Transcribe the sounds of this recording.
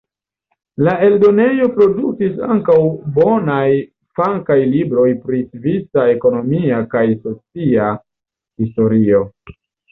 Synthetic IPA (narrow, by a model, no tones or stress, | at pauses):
lae̞ldo̞ne̞jo̞pɾo̞dukisa̰ŋkawbo̞naj | faŋkajlibɾo̞jpɾisvisae̞ko̞no̞miakajso̞t͡sia | histo̞ɾio̞